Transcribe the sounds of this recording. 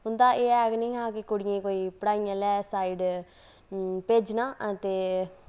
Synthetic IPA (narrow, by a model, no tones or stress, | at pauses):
ɦʊnd̪aːʔeːɛːɡnĩːɦãːkɪkʊɽɪjẽːkoːiːpəɽaːijãːlɛːsaːiːɖ | peːd͡ʒnãːʔət̪eː